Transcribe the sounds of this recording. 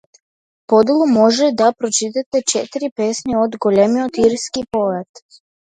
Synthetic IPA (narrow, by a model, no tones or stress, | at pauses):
po̞d̪elˠumo̞ʒed̪apɾot͡ʃit̪at̪et͡ʃet̪iɾipeːsneod̪ɡolemiot̪iɾskipo̞ʋat̪